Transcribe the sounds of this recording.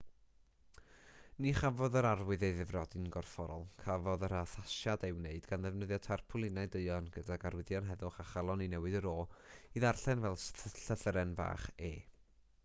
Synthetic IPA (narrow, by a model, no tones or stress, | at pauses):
niχavɔðəɾarwɨðejðɪvrɔdɪnɡɔrfɔɾɔlˠkʰavɔðəɾaθaʃjadewneɨdɡanðɛvnəðjɔtʰarpʰʊlˠɪnaɨdɨɨɔnɡədaɡaɾwɪðjɔnɦɛðʊχaχalˠɔninɛwɨdəɾoːiðarɬɛnvɛlˠsɬəθəɾɛnva̰ːχeː